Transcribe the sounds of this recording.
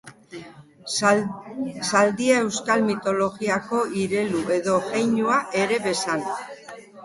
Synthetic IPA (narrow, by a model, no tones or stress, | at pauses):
sald̪iae̞wskalmit̪o̞lo̞ɣiako̞iɾe̞luʔe̞ðo̞ɣejɲuaʔe̞ɾe̞βe̞sal